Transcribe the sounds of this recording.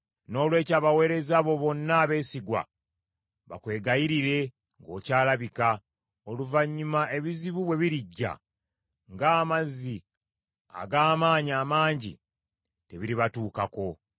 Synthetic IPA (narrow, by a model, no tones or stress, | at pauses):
no̞ːlwe̞ːcaːβawe̞ːɾe̞zaβo̞βo̞nːaːβe̞ːsiɡwa̰ | βa̰kwe̞ːɡajiɾiɾe̞ | ŋɡo̞ːcaːlaβika | o̞luvaɲːumaʔe̞βiziβuβwe̞βiɾiɟːa̰ | ŋɡaːmazːi | a̰ɡaːmaːɲiaːmaːɲɟḭ | te̞βiɾiβatuːkako̞